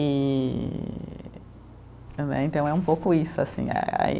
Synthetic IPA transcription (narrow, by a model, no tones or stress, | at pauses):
i | nɛ̰ẽnt̪ɐ̃w̃ɛũmpowkʊisʊasḭ̃a̰aḭ